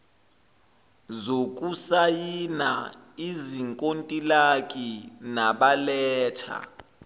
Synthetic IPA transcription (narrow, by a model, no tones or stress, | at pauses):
zok̬ʼusajina | iziŋkʼontʼilakʼinaɓalɛːtʰa̰